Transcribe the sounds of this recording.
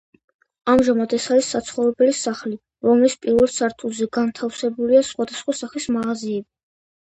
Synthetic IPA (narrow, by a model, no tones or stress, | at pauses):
amʒamad̪ɛsaɾisːat̪sʰχɔvɾɛbɛlisaχli | ɾɔmlispʼiɾvɛlˠsaɾt̪ʰʼulzɛɡant̪ʰafsɛbuliasχwad̪asχwasaχismaʁaziɛbi